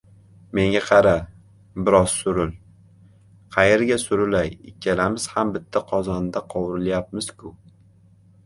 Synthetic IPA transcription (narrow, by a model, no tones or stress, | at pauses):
me̞ŋɡʲaqʰɑɾa | bɪɾɒz̥sʊɾɪl | qʰɑje̞ɾɡʲasʊɾʊlajɪ̰kʲʰːalamɪz̥hambɪt̪ʰːaqʰɒzɒnd̪aqʰɒwɾɪljap̚mɪzkʰʊ